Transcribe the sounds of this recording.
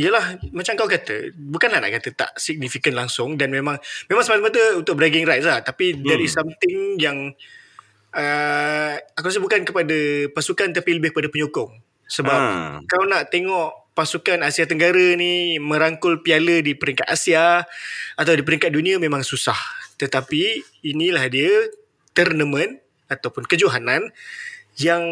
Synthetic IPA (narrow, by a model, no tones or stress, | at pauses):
ijəlahmat͡ʃamkawkat̪ə̰bukanlahna̰ʔkat̪ət̪a̰ʔsik̚nifikənlaŋsʊŋdanmemãŋmẽmãŋsəmat̪əmat̪əunt̪ʊk̚bɾaɡɪŋrajt̪̚laht̪apidaɾisamt̪ɪŋjaŋ | ə | akuas̬əbukankəpadapasukant̪apiləbɪhkəpadapəɲukʊŋ | səbap̚kawnaʔt̪eŋɔʔpasukanasiat̪əŋɡaɾanimə̃ɾaŋkʊlpialədipəɾiŋkat̪̚asia | at̪awdipəɾiŋkat̪̚dunĩamẽmãŋsusaht̪ət̪apiː | nĩlahdiə | t̪ərnəmə̃n | at̪awpʊnkəd͡ʒuɦanan | jaŋ